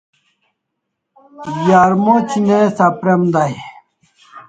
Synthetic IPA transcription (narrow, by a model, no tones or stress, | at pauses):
jaːɾmot͡ɕinesapɾemd̪aj